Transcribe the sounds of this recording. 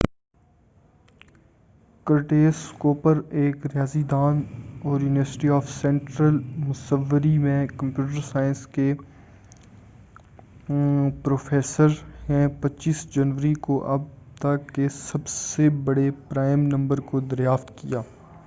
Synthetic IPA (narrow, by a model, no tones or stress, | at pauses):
kəɾʈeːskoːpəɾeːkɾɪjaːzid̪aːnɔːɾjuːnɪʋəɾsɪ̥ʈiaːfsɛ̃ɳʈɾəlmʊsəʋːəɾimẽkɐ̃mpjuːʈ̬əɾsaːɪə̃nske | pɾoːfeːsəɾhɛ̃pɐtːʃiːsd͡ʒɐnʋəɾikoʔɐb̚ | t̪ɐkːesɐbsebɐɽepɾaːɪmnɐ̃mbəɾkod̪ɐɾjaːft̪kijaː